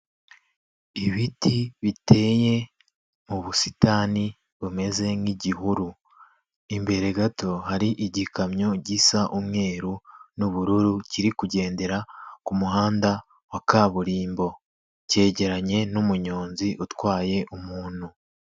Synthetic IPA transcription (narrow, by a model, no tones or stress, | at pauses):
iβitʰiβitʰe̞je̞ | muβusitani | βume̞ze̞ŋiɟiɦuɾu | imbe̞ɾe̞ɡato̞haɾiʔiɟikamɲo̞ɟisaʔumŋe̞ːɾunuβuɾuɾuciɾikuɟe̞ːnde̞ɾakumuɦaːnda | wakaːβuɾiːmbo̞ | ce̞ːɟe̞ɾaɲe̞numuɲo̞ːnziʔutwaːje̞ʔumuːn̥hu